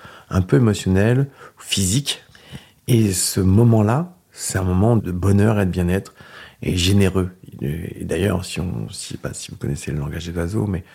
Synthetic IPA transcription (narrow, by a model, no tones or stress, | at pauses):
ɛ̰̃pøemɔsjɔnɛlfizik | esəmɔmɑ̃la | sɛ̥t̪ɛ̃mɔmɑ̃d̪əbɔnœʁed̪əbjɛ̃nɛt̪χḛʒeneʁø̰ | ḛd̪ajœ̰ʁsiɔ̰̃sipa̰sivukɔnɛseləlɑ̃ɡaʒd̪ezwazo̰mɛ